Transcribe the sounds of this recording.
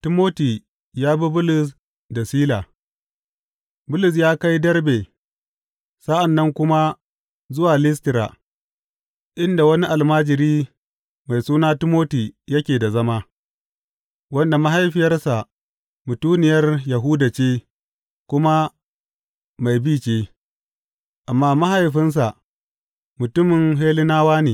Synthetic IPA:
tɪ˦moː˦ti˨ | jaː˦bi˦bʊ˦lʊ˨s | da˨siː˦la˨ | bʊ˦lʊ˨s̬jaː˦ka˦jdɐ˦rbe˨ | sa˦ʔa˨nːɐ˦ŋkʷʊ˦ma˦ | zʊ˦waː˨lɪ˦s̬tɪ˨˦ɾa̰˨ | ʔɪ˦nda˨wɐ˦ni˦ʔa˨lmaː˦d͡ʒɪ˨ɾiː˦ | ma˨jsuː˦naː˦tɪ˦moː˦ti˨jɐ˦kʲeː˨da˨zɐ˦maː˦ | wɐ˦nda˨ma˦ɦa˦jɸɪ˨jɐ˦rsa˨ | mʊ˨tuː˦nɪ˨jɐ˦rjɐ˨ɦʊː˦da˨t͡ʃeː˦ | kʷʊ˦ma˦ | ma˨jbiː˦˨t͡ʃeː˦ | ʔa˨mːaː˦ma˦ɦa˨jɸɪ˦ns̬a˨ | mʊ˨tʊ˦mɪ˨ŋɦeː˦lɪ˦naː˦waː˦neː˨

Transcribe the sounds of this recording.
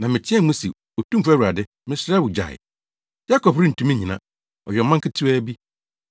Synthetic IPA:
nã˨mɪ̃˨t͡ɕʰɪ̃˦ɛ˦mũ˦si˨ | o˨tũ˦m̩˦fæ˦wu˨ɾa˨dɪ˦ | mɪ̃˦sɾa˦bʊ˨d͡ʑa̰˨ɪ̰˨ | ja˦kɔ˨pɾĩ˦n̩˨tʰũ˦mĩ˦ɲĩ˨nã̰˦˨ | ɔ̰˨ɥᶣɛ˨˦mã˦ŋkʰɪ˦tʰu˦æ˦bi˦

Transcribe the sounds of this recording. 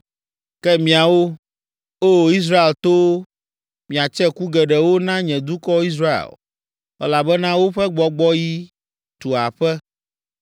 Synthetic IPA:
kɛ˦mĩ˨a˨wo˦ | o˦i˦s̬ɾa˦e˨lt̪o˦ | mĩ˨a˨t͡ʃɛ˦ku˦ɡɛ˨ɖɛ˨wo˦nã˦ɲɛ̃˨d̪u˦kɔ˦i˦s̬ɾa˦ḛ˨l | ɛ̰˦la˨bɛ˦nã˦wo˦ɸɛ˦ɡ͡bɔ˨ɡ͡bɔ˦ji˦ | t̪u˨a˨ɸɛ˦

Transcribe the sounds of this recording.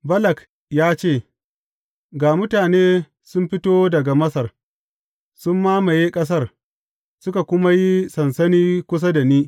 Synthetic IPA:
bɐ˦lɐ˨k | jaː˦t͡ʃeː˦˨ | ɡaː˨mʊ˦taː˨neː˦ | sʊ˦mɸɪ˦toː˦dɐ˨ɡa˨mɐ˦sɐ˨r | sʊ˦mːaː˦mɐ˨jeː˦kʼɐ˦s̬ɐ˦r | sʊ˦ka˨kʷʊ˦ma˦ji˦sɐ˨nsɐ˦niː˦kʷʊ˦s̬ɐ˦da˨niː˦

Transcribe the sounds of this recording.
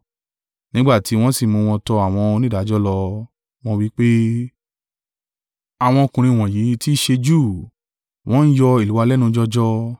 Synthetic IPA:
nĩ˦ɡ͡ba˦˨ti˨˦w̃ɔ̃˦si˦˨mũ˧w̃ɔ̃˧tɔ˧a˨w̃ɔ̃˧o˧nĩ˦da˨˦d͡ʒɔ˦lɔ˧ | w̃ɔ̃˦wi˦k͡pe˦ | a˨w̃ɔ̃˧kũ˨ɾ̃ĩ˧˨w̃ɔ̃˨ji˨˦ti˦ʃe˧d͡ʒu˦˨ | w̃ɔ̃˦n̩˦jɔ˧i˨lu˨˦wa˧lɛ˦nũ˧˦d͡ʒɔ˦d͡ʒɔ˦

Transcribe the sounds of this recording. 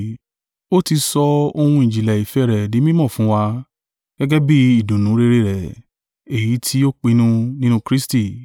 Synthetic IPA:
o˦ti˧sɔ˧o˧hũ˧ĩ˨d͡ʒi˨lɛ˨i˨fɛ˨˦˨ɾɛ˨nĩ˨˦mĩ˦mɔ̃˦˨fũ˨˦wa˧ | ɡ̥ɛ˦ɡɛ˦bi˦i˦˨do˨nũ˨˦ɾe˧ɾe˦˨ɾɛ˨ | e˨ji˨˦tʰi˦o˦k͡pi˧nũ˦nĩ˦nũ˧kɾi˦sti˦˨

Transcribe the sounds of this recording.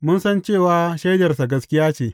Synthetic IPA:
mʊ˦nsɐ˦nt͡ʃeː˦˨waː˦ʃɐ˦jd͡ʒɐ˨rsa˨ɡɐ˦skʲɪ˦jaː˦t͡ʃeː˨

